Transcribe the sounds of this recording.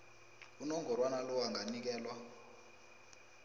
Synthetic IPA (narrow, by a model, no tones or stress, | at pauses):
unɔŋɡɔɾwanalɔaŋɡanik̬ɛːlwa